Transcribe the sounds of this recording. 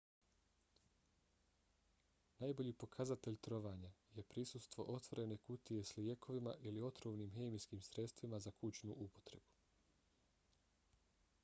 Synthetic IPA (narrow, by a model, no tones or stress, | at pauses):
najbo̞ʎiːpo̞kʰazat̪e̞ʎt̪ɾo̞ʋaːɲaje̞pɾisust̪ʋo̞̰ʔo̞t̪ʋo̞ɾe̞ne̞kut̪ije̞slije̞kʰo̞ʋimaʔilio̞t̪ɾoːʋniːmɦe̞miskiːmsɾe̞t̪st̪ʋimazakʰut͡ɕnuʔupo̞̥t̪ɾe̞b̥u̥